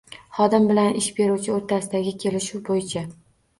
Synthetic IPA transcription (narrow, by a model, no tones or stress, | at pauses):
χɒd̪ɪmbɪlanɪʃbe̞ɾuwt͡ʃʰɪoɾt̪ʰasɪd̪aɡʲɪkʲʰe̞lɪʃuwbojɪt͡ʃʰa